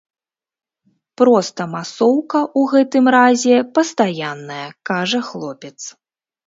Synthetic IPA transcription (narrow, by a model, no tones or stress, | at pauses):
pɾɔst̪ɐmasɔwkɐʔuɣɛt̪ɨmɾazʲɛpɐst̪ajanːɐjɐkaʐɐxlˠɔpʲɛt̪s